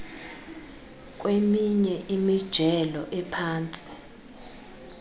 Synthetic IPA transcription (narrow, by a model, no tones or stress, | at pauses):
k̬ʼwemiɲɛʔimid̥ʒ̥ʱɛlɔʔɛpʰaːnt͡sʼi̥